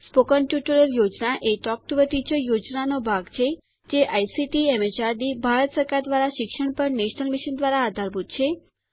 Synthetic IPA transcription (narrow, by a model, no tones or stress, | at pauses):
spokənʈjuʈoɾəljod͡ʒnaʔeʈɔk̚ʈuʋət̪it͡ʃəjod͡ʒnanobʱaɡt͡ʃʰe | d͡ʒeʔajsiʈiɛmed͡ʒaɾnibʱaɾət̪səɾkaɾd̪ʋaɾaʃɪkʃəɳpəɾneʃnəlmiʃənd̪ʋaɾaːd̪ʱaɾbʱut̪̚t͡ʃʰe